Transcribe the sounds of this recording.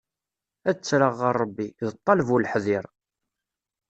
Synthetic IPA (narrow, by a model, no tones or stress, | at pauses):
æt͡sːɾəʁːəɾˤːəbːiðət̪ˤːɑlvulħðiɾˤ